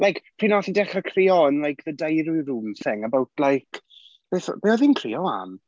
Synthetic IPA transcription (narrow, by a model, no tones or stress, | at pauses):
lajkpʰr̥iːnɔθidɛχəkʰrɪɔənlajkðədajɾwjruːmsɛŋəbawtʰlajkʰ | b̥eːθb̥eːɔðinkʰr̥ḭɔa̰m